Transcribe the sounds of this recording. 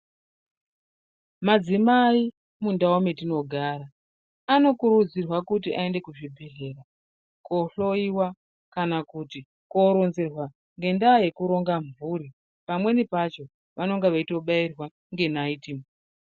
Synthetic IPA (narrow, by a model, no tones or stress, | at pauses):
mad͡zimai | mundaometino̞ɡʱaːɾa | ano̞kuɾud͡zirwakut̬iʔae̞nde̞kuʐibʱeɮe̞ra | koɬo̞iwa | kanakuti | ko̞ɾonzerwa | ŋɡe̞ndaːje̞kuɾo̞ŋɡaɱvuːɾi | pamwe̞nipat͡ʃo̞ | ʋano̞ŋɡeʋaito̞ɓairwa | ŋɡe̞naitim